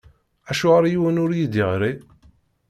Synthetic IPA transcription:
æʃʊʁaɾajwænʊɾjid̪iʁɾi

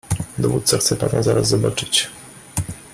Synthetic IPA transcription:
d̪ɔvut̪saxt̪sɛpa̰nazaɾaszɔbat͡ʂɘt͡ɕ

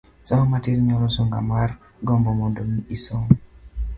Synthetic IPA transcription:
sɔhɔmatiɾɲɔɾɔsoŋɡa̰mar | ɡɔmbɔmondomiisoŋ

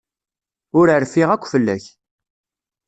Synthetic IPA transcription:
ʊɾəɾfiʁækʷːfəlːæ̰ç

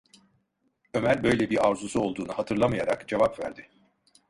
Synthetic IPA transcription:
ø̞mæɾʲbø̞jlʲɛbiɾavzusuo̞lˠd̪uːnahat̪ʰɯɾlˠamɯjaɾa̰kd͡ʒevapvæ̰ɾd̪ɪ

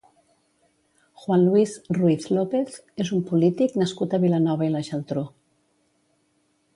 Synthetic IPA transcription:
xwanluizruiθlopeθ | ezumpulit̪iknəskut̪əβilənɔβəiləʒəlˠt̪ɾo

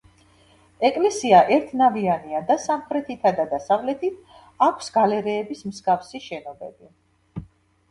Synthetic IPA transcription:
ɛkʼlɛsiaʔɛɾt̪ʰnavianiad̪asamχɾɛt̪ʰit̪ʰad̪ad̪asavlɛt̪ʰit̪ʰ | akʷʰsɡalɛɾɛːbismsɡafsiʃɛnɔbɛbi

